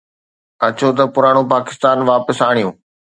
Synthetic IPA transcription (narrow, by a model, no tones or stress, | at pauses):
ɐt͡ɕot̪̬ɐpʊɾaːɽ̃opaːkɪ̥st̪aːnʋaːpəsaːɽ̃ijũː